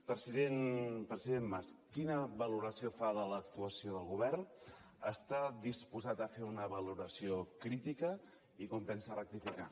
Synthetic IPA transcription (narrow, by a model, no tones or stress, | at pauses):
pɾəsiðenpɾəziðemːaskinəβəluɾəsiofaðələk̚t̪uəsioðəlˠɣuβɛrn | əst̪aðispuzat̪əfeunəβəluɾəsiokɾit̪ikə | ikompɛnsərək̚t̪ifika